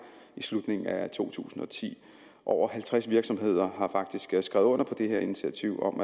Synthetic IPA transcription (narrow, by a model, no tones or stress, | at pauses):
islud̥ne̝ŋn̩æt͡sʰo̝̰ːt͡sʰṵːsn̩ɒ̽t͡sʰḭː | ʔɒʊ̰ɐɦælt͡sʰʁasʋiɐɡ̥sɒ̽mɦe̝ð̞̰ˠɐɦɑ̈fɑ̈ɡ̥d̥isɡ̥sɡ̥ʁɛ̰ʊɔ̽n̰ɐpʰɒ̽d̥e̝heɐ̰init͡sʰiæt͡sʰiʊ̰ɒ̽m